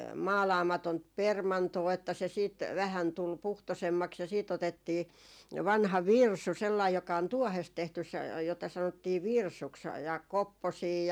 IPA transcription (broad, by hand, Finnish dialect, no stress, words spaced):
mɑːlɑːmɑtont permɑntoː etːæ se siːt ʋæhæn tul puhtosemːɑks jɑ siːt otetːiː ʋɑnhɑ ʋirsu selːɑij jokɑ on tuɔhest tehtys se jotɑ sɑnotːiː ʋirsuks jɑ kopːosiː